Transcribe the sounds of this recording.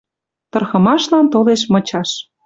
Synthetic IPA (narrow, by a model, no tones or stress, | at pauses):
t̪ɤ̆rxɤ̆mɑʃlɑnt̪oleʃmɤ̆t͡ɕɑʃ